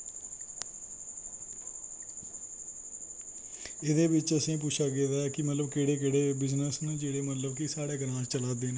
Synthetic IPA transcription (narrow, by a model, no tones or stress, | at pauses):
ɪd̪eːbɪt͡ʃəsĩːp̬ʊt͡ʃʰaːɡeːd̪aːɛːkɪmət̪ləbkeːɽeːk̬eːɽeːbɪznəsnũːd͡ʒeːɽeːmət̪ləbkɪsaːɽeːɡəɾãːt͡ʃəlaːd̪eːneː